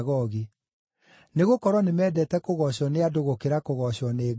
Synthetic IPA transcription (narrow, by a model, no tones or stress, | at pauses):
ɣɔɣi | neɣokɔɾwɔnemɛːdɛtɛkoɣɔɕɔneadoɣokeɾakoɣɔɕɔne